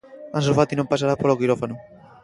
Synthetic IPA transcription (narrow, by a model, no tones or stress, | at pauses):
ãns̬ofat̪inõmpas̬aɾapolokiɾofanʊ